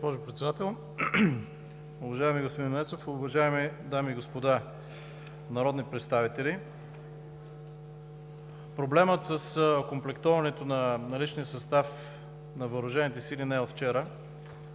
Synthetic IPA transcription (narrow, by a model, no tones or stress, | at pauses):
pɔʒʊpɾɛt̪sɛd̪at̪ɛlˠ | ʊvɐʒaɛmiɡospod̪innɛt̪sofʊvɐʒaɛmid̪amiːɡospod̪a | nɐɾɔd̪nipɾɛt̪st̪avit̪ɛli | pɾoblɛmət̪səskomplɛkt̪ɔvɐnɛt̪onɐnɐlit͡ʃnijəsɐst̪af | nɐvəɾʊʒɛnit̪ɛsilinɛot̪ft͡ʃɛɾə